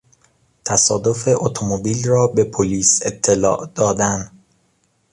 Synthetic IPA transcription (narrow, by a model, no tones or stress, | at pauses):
t̪ʰæsɒːd̪o̞feʔot̪ʰomobiːlrɒːbe̞pʰoliːset̪ʰːelɒ̰ːʔd̪̥ɒːd̪æn